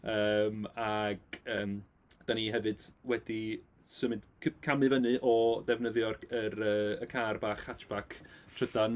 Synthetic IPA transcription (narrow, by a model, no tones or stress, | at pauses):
əːmaɡ̥əːm | d̥aniɦɛvɨd̥wɛdi | sɨmɪndkʰkʰamɨvənɨʔɔdɛvnəðjɔrəɾəːəkʰarbaːχhat͡ʃʰb̥akʰtʰrədan